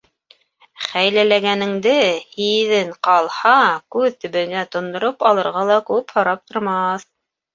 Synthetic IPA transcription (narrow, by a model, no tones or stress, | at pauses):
χæjlælæɡænɘ̆ŋd̪ɘhiðɘɴqɑlˠhɑkʉðt̪ɵ̆βɘ̆næt̪ŏnd̪ŏɾopɑlˠɤ̆ɾʁɑlˠɑkʉphɑ̆ɾɑp̚t̪ŏɾmɑθ